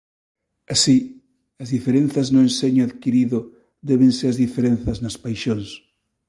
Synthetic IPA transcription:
asi | ɐzðifeɾẽn̟θɐznʊẽnseɲaðkiɾiðʊ | d̪ɛβẽŋseɾɐzðifeɾen̟θɐznaspajʃoŋs

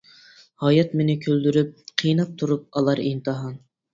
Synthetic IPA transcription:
hɑːjɛt̪menɪkʲʰøld̪yɾyp̚qʰijnɑp̚t̪ʰuɾup̚ɑlˠɑɾint̪ɨɦɑn

